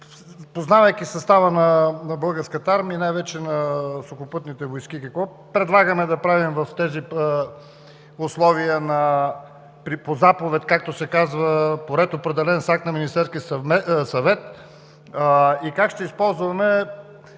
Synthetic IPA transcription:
poznavɐjkʲisɐst̪avənɐnɐbɤlˠɡəɾskət̪əaɾmiinajvɛt͡ʃɛnɐsokʊpɤt̪nit̪ɛvojsk̟ikɐkvɔ | pɾɛd̪lˠaɡəmɛd̪ɐpɾavimvɐft̪ɛzi | ʊslˠɔvijənɐ | pɾipozapovɛt̪kak̚t̪osɛkazvəpoɾɛt̪opɾɛd̪ɛlɛnsak̚t̪nɐminist̪ɛɾskʲisɛsɐvɛt̪ | ikakʃt̪ɛispɔlˠzvɐmɛ

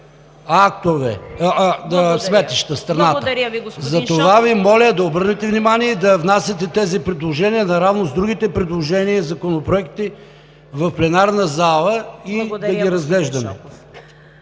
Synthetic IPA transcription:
akt̪ovɛ̰ | d̪ɐsmɛt̪iʃt̪ɐst̪ɾɐnat̪ɡzɐt̪ovavimɔlʲəd̪ɐobəɾnɛt̪ɛvnimaniɛid̪ɐvnasʲɐt̪ɛt̪ɛzipɾɛd̪lˠoʒɛniənɐɾavnozd̪ɾuɡit̪ɛpɾɛd̪lˠoʒɛniəzɐkonopɾoɛkt̪i | vɐfplɛnaɾnɐzalˠəid̪ɐɡiɾɐzɡlɛʒd̪ɐmɛ̰

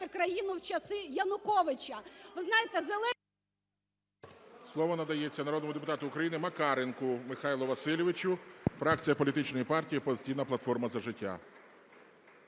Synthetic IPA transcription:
ɪkɾɐjinʊwt͡ʃɐsɪjɐnʊkɔʋɪt͡ʃɐʋɪznɑjɪt̪ɛzelˠɛ | slˠɔʋɔnɐd̪ɐjet͡sʲːɐnɐɾɔd̪nɔmʊd̪ep̬ʊt̪ɑt̪ʊːkɾɐjinɪmɐkɑɾenkʊmɪxɑjlˠɔʋɐsɪlʲɔʋɪt͡ʃʲʊfɾɑk̚t͡sʲijɐpɔlʲit̪ɪt͡ʃnɔjipɑrtʲijipɔzʲt͡sʲijnɐplˠɐt̪fɔrmɐzɐʒɪtʲːa̰

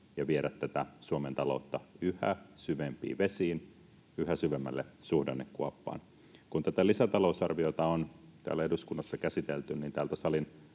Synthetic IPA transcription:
jɑʋieɾæt̪tːæt̪æsuɑment̪ɑlo̰ˑt̪ːɑyhæ̰syʋempḭːʋesiːn | yhæsyʋemːæ̰lːesuhdenːekkuɑpːɑ̰ːn | kunt̪æt̪ælisæt̪ɑlousɑrʋiot̪ɑont̪æ̰ːlæeduskunːɑsːɑkæsit̪elt̪ynniːnt̪æːlt̪æsɑlin

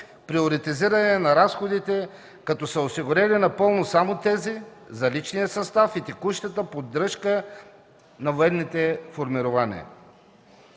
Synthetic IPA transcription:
pɾioɾit̪iziɾɐnɛnɐɾasxod̪it̪ɛ | kɐt̪ɔsəosiɡʊɾɛlinɐpɤlˠnosamot̪ɛzizɐlit͡ʃnijəsɐst̪afit̪ɛkuʃt̪ət̪əpod̪ɾɤʃkə | nɐvoɛnːit̪ɛfoɾmiɾʊvanḭə̰

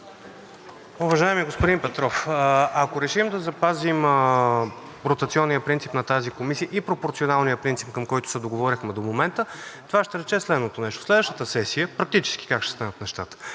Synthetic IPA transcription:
uvɐʒaɛmiəɡospʊd̪inpɛt̪ɾɔfɐkoɾɛʃimd̪ɐzɐpazimə | ɾot̪ɐt̪siɔnːijəpɾint̪sipnɐt̪azikomisijəʔipɾopoɾt̪sionalˠnijəpɾint̪sip̚kəmkɔjt̪ʊ̥sɛd̪oɡovɔɾʲixmɛd̪omomɛnt̪ət̪ovaʃt̪ɛɾɛt͡ʃɛslɛd̪not̪onɛʃt̪o̥slɛd̪vəʃt̪ət̪əsɛsijəpɾɐk̚t̪it͡ʃɛ̥ski̥kakʃt̪ɛ̥st̪anət̪nɛʃt̪at̪ə̥

